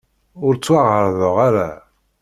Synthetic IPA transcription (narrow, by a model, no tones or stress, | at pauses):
ʊɾt͡sːwaʁəɾðoʁaɾa̰